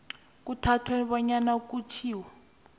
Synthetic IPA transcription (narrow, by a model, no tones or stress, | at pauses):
k̬utʰatʰweniβɔɲanakut͡ʃʰiːwa